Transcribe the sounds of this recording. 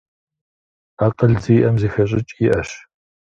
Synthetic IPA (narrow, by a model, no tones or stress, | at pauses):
aːqəɮziʔɐmzeːxɐɕʼɪt͡ʃʼjɪʔɐɕ